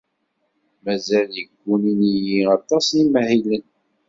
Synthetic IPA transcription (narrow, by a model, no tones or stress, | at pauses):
mæzæljəɡʷːuninijiɑt̪ˤːɑsimæhilən